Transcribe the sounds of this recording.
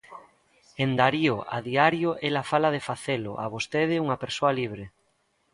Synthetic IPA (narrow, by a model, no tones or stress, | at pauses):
end̪aɾioa̰ðiaɾjoʔelafalað̞efaθelʊ̰ʔa̰βost̪eð̞ɪuŋapeɾsoaliβ̞ɾe